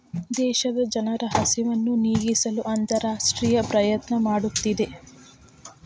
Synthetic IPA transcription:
d̪ɛːʃɐd̪ɐd͡ʒɐnɐɾɐɦɐsiʋɐnːuniːɡisɐluʔɐnt̪ɐɾaːʂʈɾiːjɐpɾɐjɐt̪nɐmaːɽut̪ːid̪e̞

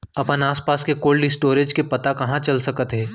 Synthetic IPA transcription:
ɐpənaːspaːskekoːlɖɪsʈoːɾed͡ʒkepɐt̪akɐɦãt͡ʃɐlsɐkət̪ɦɛː

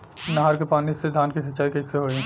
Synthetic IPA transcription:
nɐɦaɾkepaːnised̪ʱaːnkisɐt͡ʃaːikɐseɦoːẽ

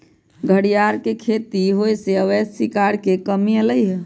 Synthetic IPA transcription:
ɡʱəɽijaɾkekʰet̪iɦojseəʋɛssikaɾkekəmiələjɦ

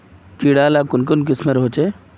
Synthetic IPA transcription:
kiɽaːlakʊnkʊnk̬ɪsmeɾɦot͡ʃe

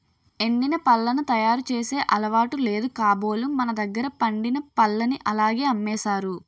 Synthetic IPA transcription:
e̞ɳːinɐpɐlːɐnut̪ɐjaːɾut͡ʃeːse̞ːʔɐlɐʋaːʈule̞ːd̪ukaːbo̞ːlumɐnɐd̪ɐɡːɐɾɐpɐɳɖinɐpɐlːɐniʔɐlaːɡe̞ːɐmːɛːsaːɾu

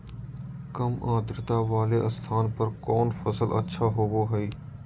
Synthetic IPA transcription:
kɐmaːd̪ɾɪt̪aːʋaːleʔɐ̰st̪ʰaːnpɐɾkɔːnfɐsəlʔɐ̰tːʃʰaɦoʋoɦɐiː

